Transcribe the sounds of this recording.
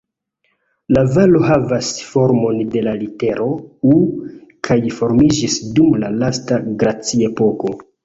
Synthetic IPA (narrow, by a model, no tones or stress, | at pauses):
lavaloɦavasfo̞ɾmo̞nde̞lalite̞ɾʔo̞ukʰajfo̞ɾmid͡ʒisdumlalastaɡɾat͡sie̞po̞ko̞